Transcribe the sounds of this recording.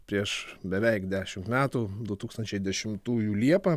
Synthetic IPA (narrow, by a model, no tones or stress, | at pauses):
pʲɾʲiɛʃbʲɛʋʲɛɪkd̪ʲæːʃʲɪmt̪mʲæːt̪uːd̪ʊt̪uːkst̪ɐnʲt͡ʃʲɛɪd̪ʲɛʃʲɪmt̪uːjuːlʲiɛpɐ